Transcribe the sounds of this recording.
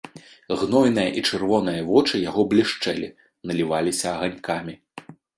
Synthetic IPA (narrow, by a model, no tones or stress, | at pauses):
ɣnɔjnɨjɐʔit͡ʂɨrvɔn̪ɨjɐvɔt͡ʂɨjaɣɔblʲiʂt͡ʂɛlʲḭ | nɐlʲivalʲisʲɐɐɣanʲkamʲi